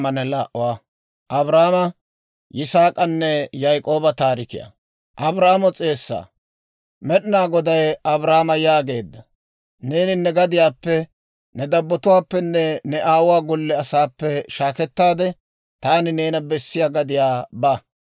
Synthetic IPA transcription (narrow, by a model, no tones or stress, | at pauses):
ɐnɛlaʔʊwaː | ʔɐbɾaːmɐ | jɪsaːkʼɐnːɛjɐjkʼo̞ːbɐt̪aːɾɪkɪ̰jɐ̰ | ʔɐbɾaːmɔt͡sʼe̞ːsːa̰ː | mɛɗɪnaːɡɔd̪ɐjɐbɾaːmɐjaːɡe̞ːd̪ːɐ | ne̞ːnɪnːɛɡɐd̪ɪjaːpːɛ | nɛd̪ɐbːɔt̪ʊwaːpːɛnːɛnɛʔaːwʊwaːɡɔlːɛɐsaːpːɛʃaːkɛt̪ːaːd̪ɛ | t̪aːnɪneːnɐbɛsːɪjaːɡɐd̪ɪjaːbɐ